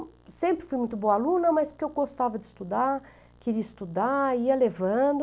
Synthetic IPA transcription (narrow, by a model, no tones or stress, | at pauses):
sẽmpɾɪfujmũj̃t̪ʊbõalũnɐmajspʊɾkewɡost̪avɐd͡ʒɪst̪ud̪a | keɾiist̪ud̪aiɐlevɐ̃d̪ʊ